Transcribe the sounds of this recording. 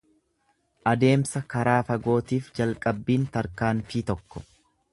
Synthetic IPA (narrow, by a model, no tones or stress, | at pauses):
ʔɐd̪e̞ːmsɐkɐɾaːfɐɡo̞ːt̪iːfd͡ʒɐlkʼɐbːiːnt̪ɐɾkaːnfit̪ɔkːɔ̥